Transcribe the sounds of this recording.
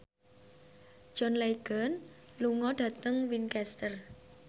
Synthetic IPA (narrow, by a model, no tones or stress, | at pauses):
d͡ʒ̥ɔnleɡ̥ənluŋɔɖ̥ä̤t̪əŋwinkɛst̪ər